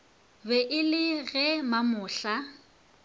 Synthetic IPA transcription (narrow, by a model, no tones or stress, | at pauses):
bɛʔɪlɪɣɛmamʊːɬa